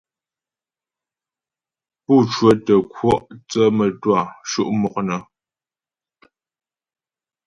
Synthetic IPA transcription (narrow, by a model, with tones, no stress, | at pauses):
pu˦˨t͡ʃwə˦tə˨kʰwɔ˦ʔt͡sə˦mə˨twa˦˨ʃṵ˦ʔmɔ˨k̚nə˨